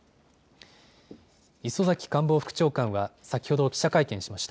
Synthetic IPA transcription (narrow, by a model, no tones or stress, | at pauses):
iso̞zakʲi̥kãmbo̞ːɸɯ̥kɯ̟̥t͡ɕo̞ːkãɰ̃βasakʲi̥ho̞d̪o̞kʲi̥ɕakaikẽ̞ɕimaɕi̥t̪a